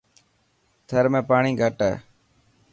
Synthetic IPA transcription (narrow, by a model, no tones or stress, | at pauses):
t̪ʰəɾmẽːpaːɳĩːɡʱəʈɛ̰ː